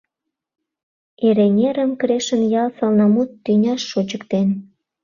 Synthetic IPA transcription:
eɾenʲeɾəmkɾeʃənjɑlsɑlnɑmut̪ːynʲɑʃːot͡ɕəkt̪en

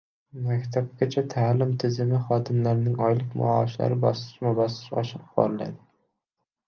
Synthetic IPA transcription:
makʲt̪ʰap̚kʲat͡ʃʰat̪ʰaːlɪmt̪ʰɪzɪmɪχɒd̪ɪmlaɾnɪŋɒjlˠɪkʲmʊ̰ɒʃla̰ɾɪbɒsɪ̥ʃmabɒsɪ̥ʃɒ̰ʃɪq̚bɒ̰ɾla̰d̪ɪ

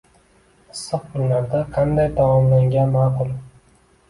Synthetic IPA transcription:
ɨsːɨq̚kʊnːaɾd̪aqʰɑnd̪ajt̪ʰamɒmlaŋɡʲanmɑːqʊlˠ

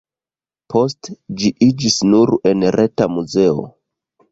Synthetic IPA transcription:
po̞std͡ʒiʔid͡ʒisnuɾe̞nɾʔetamuze̞o̰

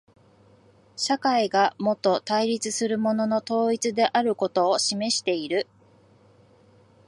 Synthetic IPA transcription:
ɕakaiɡamo̞t̪ːo̞t̪aiɾʲit͡sɨsɨɾɯ̟mo̞no̞no̞t̪o̞ːit͡sɨd̪e̞ʔaɾɯ̟ko̞t̪o̞ːɕime̞ɕi̥t̪e̞iɾɯ̟

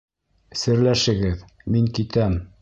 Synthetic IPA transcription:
sɘ̆ɾlæʃɘ̆ɡɘð | miŋkit̪æm

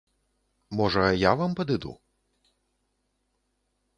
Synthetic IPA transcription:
mɔʐɐjavampɐd̪ɨd̪ṵ

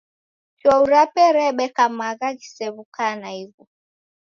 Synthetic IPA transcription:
t͡ʃɔuɾapɛɾɛɓɛkamaɣaɣisɛβukanaiɣu

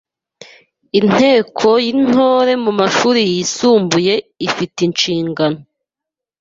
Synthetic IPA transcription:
in̥e̞ːkʰo̞jin̥hoːɾe̞mumaʃuːɾijisuːmbuje̞ifitint͡ʃiːŋɡano

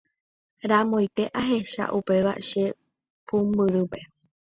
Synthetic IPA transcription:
ɾamõjt̪e̞ʔaɦe̞ʃa̰ʔupe̞ʋa̰ʃe̞ | pʰũmbɨɾɨpe̞

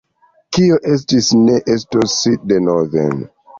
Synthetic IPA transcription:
kioʔe̞s̬tisne̞ʔestosidenoðḛn

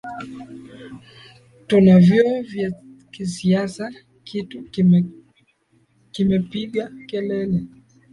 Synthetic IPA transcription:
tunavjɔvja | kisiasa | kʰitu | kimɛpiɠakɛlɛlɛ

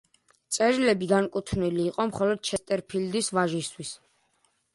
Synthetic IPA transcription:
t̪sʼɛɾilɛbid̪ankʼut̪ʰniliːqʼɔmχɔlɔd̪̥̚ʃʰɛst̪ʼɛɾpʰild̪isvaʒist̪ʰwis

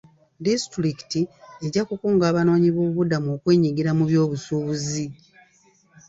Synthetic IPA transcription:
distɾiki̥tieɟakukuːŋɡaːβano̞ːɲiβoβuβudamuo̞ːkwe̞ːɲiɡiɾamuβjo̞ːβusuːβuzi

